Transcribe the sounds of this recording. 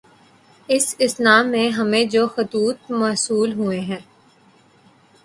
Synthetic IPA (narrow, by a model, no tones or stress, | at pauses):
ɪsɪsnaːmːẽɦɐmẽd͡ʒoːxʊt̪uːt̪̚maːsuːlɦueɦɛ̃ː